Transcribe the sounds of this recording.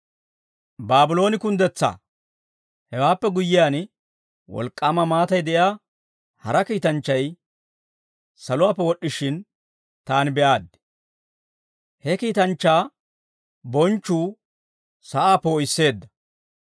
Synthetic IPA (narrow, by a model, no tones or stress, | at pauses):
baːbɪlo̞ːnɪkʊnd̪ɛt͡sːa̰ː | hɛwaːpːɛɡʊjːɪjaːn | wɔ̰lkʼːaːmɐmaːt̪ɐjd̪ɛʔjaː | hɐɾɐkiːt̪ɐnt͡ʃːɐj | sɐlʊwaːpːɛwɔɗːɪʃɪn | t̪aːnbɛʔaːd̪ | hɛkiːt̪ɐnt͡ʃːaː | bɔnt͡ʃːuː | sɐʔaːpoːjɪsːe̞ːd̪ːɐ